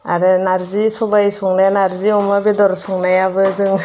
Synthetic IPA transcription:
aɾɯnaɾzisɔbajsɔŋnajanaɾziɔmabedɔɾsɔŋnajabɯzɯŋ

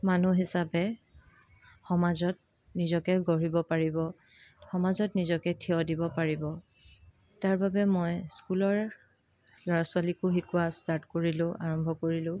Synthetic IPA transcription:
manuɦisapɛ | xɔmazɔt̚ | nizɔkɛɡɔɹibɔpaɹibɔ | xɔmazɔtnizɔkɛtʰiɔdibɔpaɹibɔ | taɹbabɛmojskulɔɹ | lɔɹasʊwalikʊɦikʊastaɹtkoɹilʊ̃ʔaɹɔmbʱɔkoɹilʊ̃

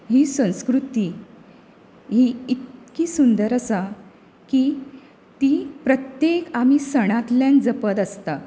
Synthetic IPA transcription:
ɦiːsə̃w̃skɾut̪iː | ɦiit̪kiːsund̪əɾəsa | kiː | t̪ipɾət̪jekam̤isəɽ̃at̪ljãnd͡zəpəd̪əst̪a

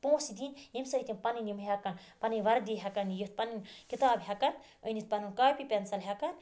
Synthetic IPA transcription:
põːsid̪injimsɐɦit̪inpɐninimɦɐkɐnpɐnɐjʋɐɾd̪iɦɐkɐnjit̪̚pɐninkit̪aːbɦʲɐkɐn | ə̰nit̪̚pɐnunkaːpipʲensɐlɦʲɐkɐn

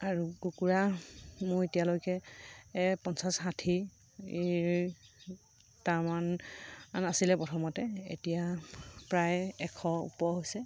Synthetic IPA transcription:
aɹuɡukuɹamʊɹetijalojkɛ | pɔnsasɦatʰi | ɹ | tamananasilɛpɹɔtʰɔmɔtɛḛtijapɹajɛkʰɔṵpɔɦojsɛ

